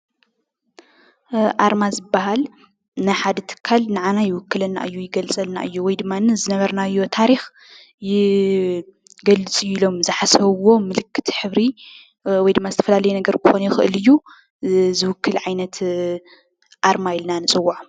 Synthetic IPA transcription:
ʔaɾmazɨbːaɦal | nɨħad̪ɐt̪ʰɨ̥kʰːalnaʕanajɪwʊkːɨlɐnːa̰ʔɨjːujɪɡɐlt͡sʼɐlna̰ʔɨjːuwɔjd̪ɨmːanɨzɨnɐβɐɾnaɨjːo̞t̪ʰaɾix | jɪ | ɡɐlɨt͡sʼɨjuilo̞mzɨħasɐβwo̞mɨlɨkʰːɨ̥t̪ʰħɨβɾi | wɔjd̪ɨmːazɨt̪ʰɐ̥fɐlalɐjunɐɡɐɾkʰɨxonjɪxɨʔɨlɨjːu | zɨwʊkʰːɨlʕajnɐt̪ | ʔaɾmajɪlnanɨt͡sʼɨwːaʕ

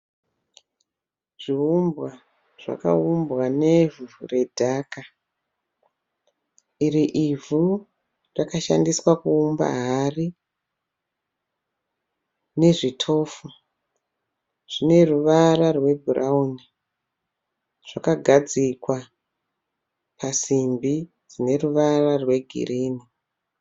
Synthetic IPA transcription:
ʐ̥iumbwa | ʐ̥a̰ka̰umbwanevuure̞dʱaːka | iriʔivu | rakaʃa̰ndiswakuːmba̰ɦari | ne̞ʐitʰo̞ːfu | ʐ̥ine̞ruʋaɾarwe̞bʱurauni | ʐ̥akaɡʱad͡zikwa | pʰasimbi | d͡zine̞ruʋararwe̞ɡʱḭriːni

